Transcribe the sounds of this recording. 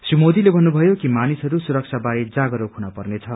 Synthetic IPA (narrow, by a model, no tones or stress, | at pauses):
srimod̪ilebʱʌnːubʱʌjokimanisɦʌɾusuɾʌk̚t͡sʰabaɾed͡zaɡʌɾokʰunapʌrnet͡sʰʌ